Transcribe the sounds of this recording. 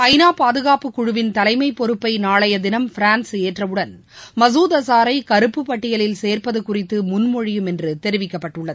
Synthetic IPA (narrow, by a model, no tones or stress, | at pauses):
ɐɪnaːpaːðɯɣaːpɯkːʊɻɯʋɪnt̪ɐlɐɪmɐɪpːɔɾɯpːɐɪnaːɭɐjɐd̪ɪnɐmfɪɾaːnseːʈrɐʋɯɽɐn | mɐsuːðɐsaːɾɐɪkɐɾɯpːɯpːɐʈːɪjɐlɪlseːrpɐðɯkʊrɪt̪ːɯmʊnmɔɻɪjɯmɛndrɯt̪ɛɾɯʋɪkːɐpːɐʈːɯɭːɐðɯ